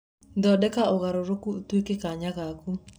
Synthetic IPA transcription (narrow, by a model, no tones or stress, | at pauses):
nd̪ɔdɛkaoɣaɾoɾokut̪wekekaɲaɡaku